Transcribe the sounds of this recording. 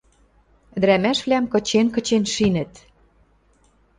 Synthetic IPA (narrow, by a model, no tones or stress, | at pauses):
d̪ɾæmæʃβlʲæmkɤ̆t͡ɕenkɤ̆t͡ɕenʃinɘ̆t̪